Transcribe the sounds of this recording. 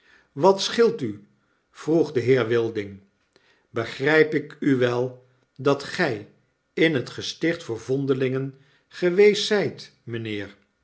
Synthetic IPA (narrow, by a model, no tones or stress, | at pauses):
ʋɑtsχɪlˠty | v̥ruχdəɦɪːɹʋɪlˠdɪŋ | bəχrɛjpɪkyʋɛlˠ | dɑtχɛj | ɪnɦətχəstɪχtfʊːɹvɔndəlɪŋən | χəʋejsɛjt | mənɪːɹ